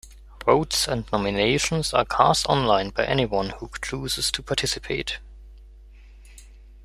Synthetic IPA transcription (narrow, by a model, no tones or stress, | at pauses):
ɹoʊtsə̃ndnɔmɨneɪʃə̃nzə̰kʰæstɔ̃nlãɪ̃nbaɪʔɛniwʌ̃nhut͡ʃʰuːzɨz̥tʰupʰɑtʰɪsɨpʰeɪt